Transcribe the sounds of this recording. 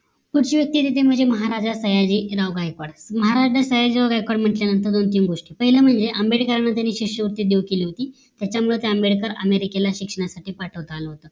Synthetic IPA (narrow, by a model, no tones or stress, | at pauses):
kuʈt͡ɕiːʋjək̚t̪iːt̪et̪ʰem̤əɳd͡zeməɦaɾad͡ʑasəjad͡ʑiːɾaʋɡajkaɽməɦaɾad͡ʑɖʱasəjad͡ʑiːɾaʋɡajkaɽm̤əʈljanənt̪̬əɾd̪ont̪iːnɡoʂʈiːpəɦiləm̤əɳd͡zeʔəmbeɽkəɾanːat̪̬janːiːɕikʂəʋəɾt̪iːd̪eʋkeliːɦot̪iː | t̪jat͡ɕamuɭəet̪jaəmbeɽkəɾə̰meɾikelaɕikʂəɳ̃asaʈʰiːpaʈʰəʋt̪aləɦot̪ə